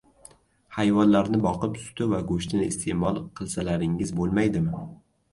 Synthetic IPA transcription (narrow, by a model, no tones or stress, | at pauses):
hajvɒnlaɾnɪbɒqɨpsʊ̥t̪ʰʊvaɡoʃt̪ɪnɪst̪ʰeʔmɒlˠqʰɨlˠsalaɾɪŋɪzbolˠmajd̪ɪmɪ